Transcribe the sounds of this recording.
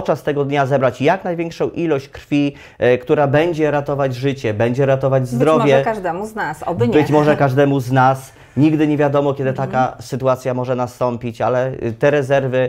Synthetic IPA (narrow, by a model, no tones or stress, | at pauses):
ɔt̪t͡ʂast̪ɛɡɔd̪ɲazɛbɾat͡ɕjaknajvʲjɛŋkʂɔ̃w̃ʔilɔɕt͡ɕkɾfʲi | kt̪uɾabɛɲd͡ʑɛɾat̪ɔvad͡ʑʐɘt͡ɕɛbɛɲd͡ʑɛɾat̪ɔvad͡ʑzd̪ɾɔvjɛɛkaʐd̪ɛmuznasɔbɲbɘt͡ɕmɔʐɛkaʐd̪ɛmuznas | ɲiɡd̪ɘɲevʲjad̪ɔmɔkʲɛd̪ɘt̪akasɘt̪uat̪sʲjamɔʐɛnast̪ɔmpʲit͡ɕalɛt̪ɛɾɛzɛɾvɘ